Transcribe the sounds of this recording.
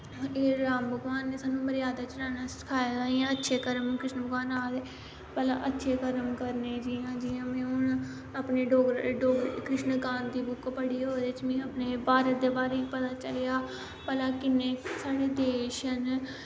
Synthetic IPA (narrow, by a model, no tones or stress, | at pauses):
eːɾaːmbʱəɡʋaːnːeːsaːnũːməɾɪjaːd̪aːt͡ʃɾaːnaːsɪ̥kʰaːjadaːiːãːətːʃʰeːkəɾəmkɾɪʃnəbʱəɡʋaːnaːd̪eː | pəla̰ʔətːʃʰeːkəɾəmkəɾneːd͡ʒiːãːd͡ʒiãːmɛ̃ːʊn | apneːɖoːɡɾɖoːɡɾkɾɪʃnkãːnd̪iːbʊkpəɽiːɦoːd̪eːt͡ʃmɛ̃ːəpneːbaːɾət̪̚d̪eːbaːɾepət̪aːt͡ʃəlejaː | pəlaːkɪnːeːsaːɽeːd̪eːʃən